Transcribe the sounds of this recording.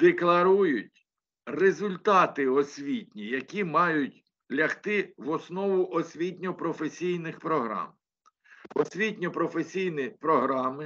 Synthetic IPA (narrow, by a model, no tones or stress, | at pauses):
d̪eklˠɐɾujʊtʲ | rezʊlʲt̪ɑt̪ɪɔsʲʋʲitʲnʲijɐkʲimɑjʊtʲ | lʲɐxt̪ɪʋɔsnɔʋʊʔɔsʲʋʲitʲnʲɔpɾɔfesʲijnɪxpɾɔɦɾɑ̰m | ɔsʲʋʲitʲnʲɔpɾɔfesʲijnɪpɾɔɦɾɑmɪ